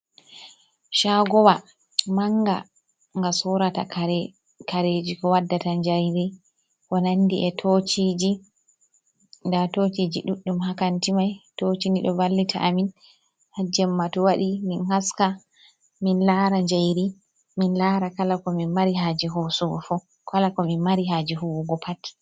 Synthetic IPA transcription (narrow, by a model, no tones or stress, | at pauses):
ʃaɡɔwa | maŋɡa̰ | ŋɡasɔɾata | kaɾed͡ʒikɔwadːataɲd͡ʒajɾi | kɔnandiʔɛtʰot͡ʃid͡ʒi | ndatot͡ʃid͡ʒiɗuɗːumhakantimajtot͡ʃiniɗɔvalːitʰa̰ʔamin | had͡ʒɛmːatɔwaɗiminhaska | minlaɾaɲd͡ʒajɾi | minlaɾakalakɔminmaɾiɦaːd͡ʒiɦosuɡɔfɔ | kalakɔminmaɾiɦaːd͡ʒiɦuwuɡɔpʰatːi̥